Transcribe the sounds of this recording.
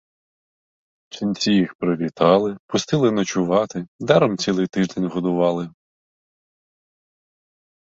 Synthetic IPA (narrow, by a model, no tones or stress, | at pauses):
t͡ʃinʲt͡sʲijixpɾɔʋʲit̪ɑlˠɪpʊst̪ɪlˠɪnɔt͡ʃʊʋɑt̪ɪd̪ɛɾɔmt͡sʲilˠɪjt̪ɪʒd̪enʲɦɔd̪ʊʋɑlˠɪ